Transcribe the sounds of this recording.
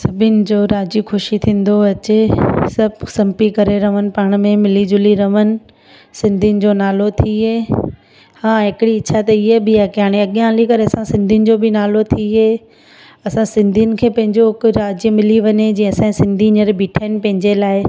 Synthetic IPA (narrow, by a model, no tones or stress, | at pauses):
sɐbʱɪnɪ̆d͡ʑoːɾaːd͡ʑikʰʊʃit̪ʰĩːn̆d̪oɐt͡ɕesɐbʱsɐ̃mpikɐɾeɾɐʋənɪ̆paːɽ̃mẽmɪlid͡ʑʊliɾɐʋənɪ̆ | sɪ̃nd̪ʱiʊnɪ̆d͡ʑonaːlot̪ʰiɦeː | hãːɦɪkɪɽiɪt͡ɕʰat̪ɐɪɦebɪaːkiaːɽ̃iɐɠjãlikɐɾeɐsãsɪ̃nd̪ʱijʊnɪ̆d͡ʑobɪnaːlot̪ʰiɦeː | ɐsãsɪ̃nd̪ʱiənɪ̆kʰeːpɐ̃ɦɪ̃ɲd͡ʑoɦɪkɾaːd͡ʑijəmɪliʋɐɲed͡ʑĩːɐsãsɪ̃nd̪ʱiɲɐɾbʱiːʈʰaːɪnɪ̆pɐ̃ɦɪ̃ɲd͡ʑelaːɪ